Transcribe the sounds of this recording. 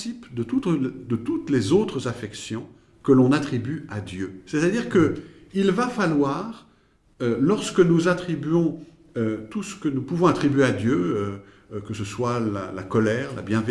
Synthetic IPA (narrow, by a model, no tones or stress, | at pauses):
sipd̪ət̪ut̪d̪ət̪ut̪lezot̪χəzafɛksjɔ̃ | kəlɔ̃nat̪χibyad̪jøsɛt̪ad̪iʁkəilvafalwaːʁ | ølɔʁsə̥kənuzat̪χibɥɔ̃ | øt̪usə̥kənupuvɔ̃at̪χibɥead̪jøø | kəsəswala̰lakɔlɛːʁla̰bjɛ̃v